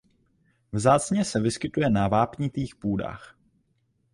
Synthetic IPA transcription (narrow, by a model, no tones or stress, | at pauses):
vzaːt͡sɲɛsɛvɪskɪt̪ujɛnavaːpɲɪt̪iːxpuːda̰ːx